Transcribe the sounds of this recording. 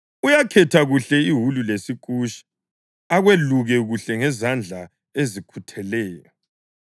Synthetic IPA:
ujakʰɛtʰaɣuɬɛiɦululesik̬ʼuʃi̥ | aɣweluɣɛɣuɬɛŋɛzand͡ɮʱa | ezikʰutʰɛlɛːjɔ

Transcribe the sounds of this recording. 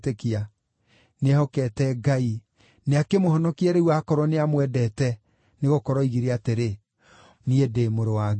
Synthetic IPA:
tekia | neɛhɔkɛtɛɡai | neakemohɔnɔkiɛɾeuakɔɾɔneamwɛdɛtɛ | neɣokɔɾɔiɣiɾeateɾe | niedemoɾowa

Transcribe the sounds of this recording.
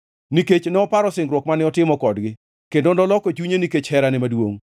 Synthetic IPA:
niket͡ʃnɛɔpaɾɔsɪŋɡɾwɔkmanɪɔtɪmɔkɔdɡɪ | kendondɔlɔkɔt͡ʃuɲeniket͡ʃhɛɾanɪmadwoŋ

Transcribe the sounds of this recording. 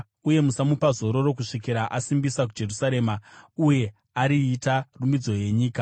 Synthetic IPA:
uje̞musamupazo̞ɾo̞ɾo̞kuʂikiɾaʔasimbisak̬ud͡ʒe̞rusaɾe̞ːmauje̞ | aɾiːtarumbid͡zo̞je̞ɲiːka

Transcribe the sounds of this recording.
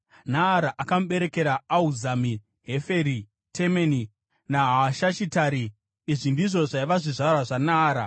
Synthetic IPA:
naːɾaʔakamuɓe̞ɾe̞ke̞ɾaːuzami | ɦe̞fe̞ɾi | tʰemeni | naɦaʃaʃitaɾiː | ʐindiʐo̞ʐaiʋaʐiʐaɾaʐanaːɾa

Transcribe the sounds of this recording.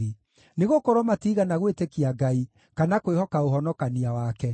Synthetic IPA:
i | neɣokoɾwɔmatiːɣanaɣwetekiaɡai | kanakwehɔkaoɦɔnɔkaniawakɛ

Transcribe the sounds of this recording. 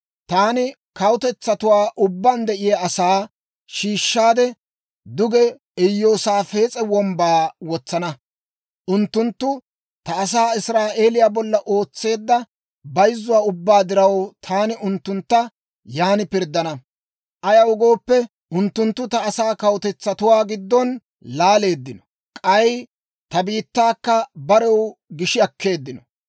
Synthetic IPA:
t̪aːnɪ | kɐwʊt̪ɛt͡sːɐt̪ʊwaːʔʊbːand̪ɛʔɪjɐɐsaː | ʃiːʃːaːd̪ɛ | d̪ʊɡɛ | ɛjːoːsaːfe̞ːt͡sʼɛwɔmbaːwɔt͡sːɐnɐ | ʔʊnt̪ːʊnt̪ːʊ | t̪ɐːs̬aːɪsɾaːʔe̞ːlɪjaːbɔlːɐʔo̞ːt͡sːe̞ːd̪ːɐ | bɐjzːʊwaːʊbːaːd̪ɪɾɐwt̪ʰaːnɪʊnt̪ːʊnt̪ːɐ | jaːnɪpɪɾd̪ːɐnɐ | ʔɐjɐwʊɡo̞ːpːɛ | ʊnt̪ːʊnt̪ːʊt̪ɐːsaːkɐwt̪ɛt͡sːɐt̪ʊwaːɡɪd̪ːɔn | laːle̞ːd̪ːɪnɔ̥ | kʼɐj | t̪ɐbiːt̪ːaːkːɐbɐɾɛwɡɪʃɪɐkːe̞ːd̪ːɪnɔ

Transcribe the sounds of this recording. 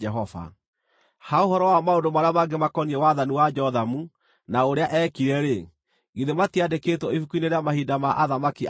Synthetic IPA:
ɛɦɔva̰ | haoɦɔɾɔwamaondomaɾeamaɡemakɔniɛwaðaniwad͡ʒɔðamu | naoɾeaʔɛkiɾɛɾe | ɡiðematiadeketɔifukuineɾeamahidamaʔaðamaki

